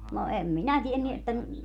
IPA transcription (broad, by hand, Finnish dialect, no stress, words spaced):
no em minæ tienːy etːæ